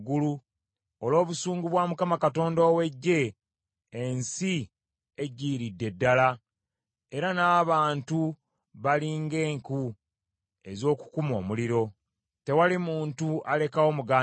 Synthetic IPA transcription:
ɡulu | olo̞ːβusuːŋɡuβwaːmukamakato̞ːndowe̞ɟːe̞ː | nsi | eɟːiːɾidːe̞dːala | e̞ɾanaːβaːntu | βaliːŋɡe̞ːŋku | e̞zo̞ːku̥kumo̞̰ːmuliɾo̞ | te̞walimuːntuʔale̞kawo̞muɡaː

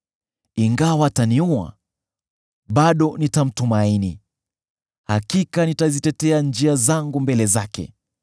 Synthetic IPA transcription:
iŋɡawaːtaniua̰ | ɓaɗɔnitam̩tumaini | hakikanitazitɛtɛand͡ʒiazaŋɡumbɛlɛzakɛ̰

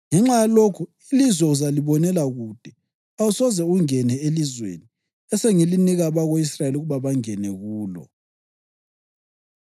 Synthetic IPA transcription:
ŋɛŋ͡ǁajalokʰu | ilizwɛuzaliβɔnɛlaɣud̥ʱɛ | ausɔzɛuŋɛnɛelizwḛːni | ɛsɛŋiliniɣaβaɣoisraeluɣuβaβaŋɛnɛɣuːlɔ̰

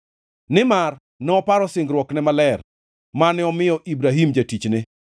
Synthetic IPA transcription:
nɪmar | nɛɔpaɾɔsɪŋɡɾwɔknɛmalɛr | manɪɔmɪjɔʔibɾaɦimd͡ʒatit͡ʃnɪ

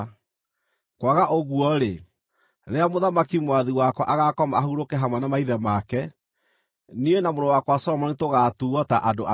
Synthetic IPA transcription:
kwaɣaʔoɣuɔɾe | ɾeamoðamakimwaðiwakwɔʔaɣakɔmaahuɾokɛɦamwanamaiðɛmakɛ | nienamoɾɔwakwasɔɾɔmɔnetoɣaːtuːɣɔtaʔadoʔa

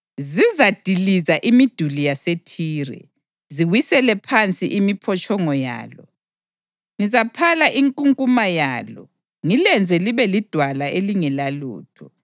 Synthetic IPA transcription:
zizad̥ʱilizaʔimid̥ʱulijasetʰiːrɛ̰ | ziwisɛlɛpʰant͡sʼiʔimipʰɔt͡ʃʼɔŋɔja̰ːlɔ | ŋizapʰalaʔiŋkʼuŋkʼumaja̰ːlɔ̰ | ŋilɛnd͡zʱɛliβɛlid̥ʱwalaʔeliŋɛlalṵːtʰɔ

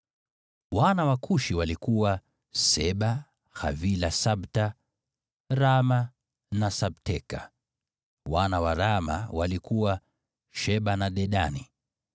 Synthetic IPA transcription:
wanawakʰuʃiwalikuwa | sɛɓa | xa̰vilasaɓta | ɾama | nasaɓtɛka̰ | wanawaɾama̰walikuwa | ʃɛɓanaɗɛɗani

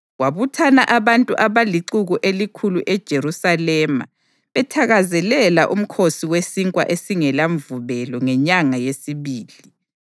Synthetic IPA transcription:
ɣwaβutʰanaʔaβantʼuʔaβaliǀuɣuʔelikʰuluʔɛd̥ʒ̥ʱeɾusalɛːma̰ | βɛtʰaɣazɛlɛlaʔum̩kʰosiwesiŋkʼwa̰ʔesiŋɛlaɱvuβɛlɔŋɛɲaŋajesiβiːli

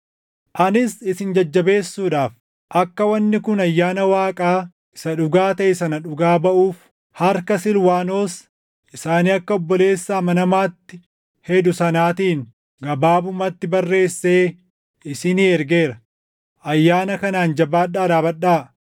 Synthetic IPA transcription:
ʔɐnɪsɪsɪnd͡ʒɐd͡ʒːɐbe̞ːsːuːᶑaːf | ʔɐkːɐwɐnːɪkʊnɐjːaːnɐwaːkʼaː | ɪsɐᶑʊɡaːt̪ɐɪsɐnɐᶑʊɡaːbɐʔuːf | hɐɾkɐsɪlwaːno̞ːs | ʔɪsaːniːɐkːɐɔbːɔle̞ːsːaːmɐnɐmaːt̪ːɪ | hɛd̪ʊsɐnaːt̪iːŋ | ɡɐbaːbʊmɐt̪ːɪbɐrːe̞ːsːe̞ː | ɪsɪniɛɾɡe̞ːɾɐ | ʔɐjːaːnɐkɐnaːnd͡ʒɐbaːᶑːaːᶑaːbɐᶑaː

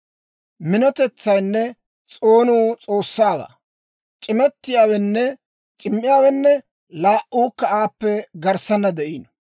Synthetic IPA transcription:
mɪnɔt̪ɛt͡sːɐjnːɛ | t͡sʼo̞ːnuːt͡sʼo̞ːsːaːwa̰ː | t͡ʃʼɪmɛt̪ːɪjaːwɛnːɛ | t͡ʃʼɪmːɪjaːwɛnːɛ | laːʔuːkːɐaːpːɛɡɐɾsɐnːɐd̪ɛʔiːn

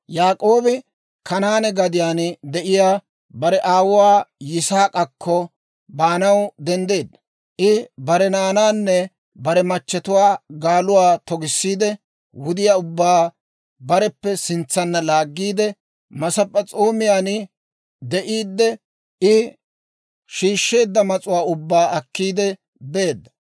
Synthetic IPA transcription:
jaːkʼoːbɪ | kɐnaːnɛɡɐd̪ɪjaːnd̪ɛʔɪjaː | bɐɾɛʔaːwʊwaːjɪsaːkʼɐkːɔ | baːnɐwd̪ɛnd̪e̞ːd̪ːɐ | ʔɪbɐɾɛnaːnaːnːɛ | bɐɾɛmɐt͡ʃːɛt̪ʊwaːɡaːlʊwaːt̪ɔɡɪsːiːd̪ɛ | wʊd̪ɪjaːʊbːaː | bɐɾɛpːɛsɪnt͡sːɐnːɐlaːɡːiːd̪ɛ | mɐsɐpʼːɐt͡sʼoːmɪjaːnɪ | d̪ɛʔiːd̪ːɛ | ɪ | ʃiːʃːe̞ːd̪ːɐmɐt͡sʼʊwaːʊbːaːɐkːiːd̪ɛ | beːd̪ːɐ̥

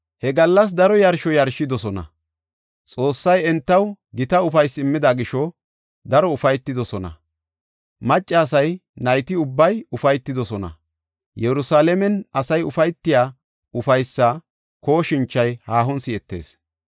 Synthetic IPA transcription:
hɛɡɐlːɐs̬d̪ɐɾɔjɐɾʃɔjɐɾʃɪd̪ɔsɔnɐ̰ | t͡sʼo̞ːsːɐjɛnt̪ːɐwɡɪt̪ɐʊfɐjsɪmːɪd̪aɡɪʃɔ | d̪ɐɾɔʊfɐjt̪ːɪd̪ɔsɔnɐ̰ | mɐt͡ʃʼːɐːsɐjnɐjt̪ɪʊbːɐjʊfɐjt̪ːɪd̪ɔsɔnɐ̰ | jɛɾʊsaːlɛmɛnɐsɐjʊfɐjt̪ːɪjaː | ʊfɐjsːɐ | ko̞ːʃɪnt͡ʃːɐjhaːɦɔnsɪɛt̪ːe̞̰ːs

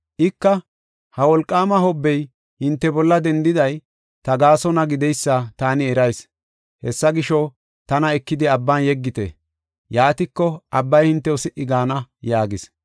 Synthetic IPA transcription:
ʔɪkːɐ | hɐwɔlkʼːaːmɐhɔbːɛj | hɪnt̪ːɛbɔlːɐd̪ɛnd̪ɪd̪ɐj | t̪ɐɡaːsɔnɐɡɪd̪ɛjsːɐt̪aːnɪɛɾɐjs | hɛsːɐɡɪʃɔ | t̪ɐnɐɛkːɪd̪ɪɐbːanjɛɡːɪt̪ɛ̰ | jaːt̪ɪkːɔʔɐbːɐjhɪnt̪ːɛʊsɪʔɪɡaːnɐjaːɡɪs

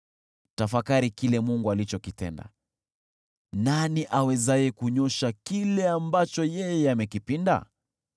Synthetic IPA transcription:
tafakaɾikilɛmuŋɡualit͡ʃɔkitɛ̰nda̰ | naniʔawɛzajɛkuɲɔʃakilɛambat͡ʃɔjɛjɛamɛkipinda̰

